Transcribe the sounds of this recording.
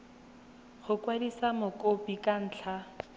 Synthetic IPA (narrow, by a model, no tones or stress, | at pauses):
χʊkwadisamʊkʼopikʼan̩ːt͡ɬʰa